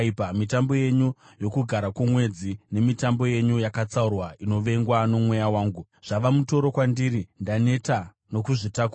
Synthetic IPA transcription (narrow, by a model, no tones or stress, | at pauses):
pamitambo̞je̞ɲu | jo̞kuɡʱaɾakumwe̞d͡zine̞mitambo̞je̞ɲujakat͡saurwaino̞ʋe̞ŋɡwano̞mwe̞jawaːŋɡu | ʐ̥aʋamuto̞ɾo̞kwandiːɾindane̞ta | no̞kuʐitaku